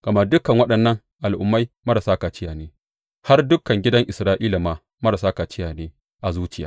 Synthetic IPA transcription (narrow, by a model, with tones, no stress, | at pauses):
kɐ˨mɐ˦dʊ˦kɐ˨ŋwɐ˦ɗɐ˨nːɐ˦ŋ | ʔa˨lʔʊ˨mːa˦jmɐ˦ɾa˨saː˦kaː˨t͡ʃɪ˦jaː˨neː˦ | ha˦rdʊ˦kɐ˨ŋɡʲɪ˦dɐ˦ŋʔɪ˨sɾaː˦ʔiː˦la˨maː˨ | mɐ˦ɾa˨saː˦kaː˨t͡ʃɪ˦jaː˨neː˦ | ʔa˨zuː˦t͡ʃɪ˦jaː˦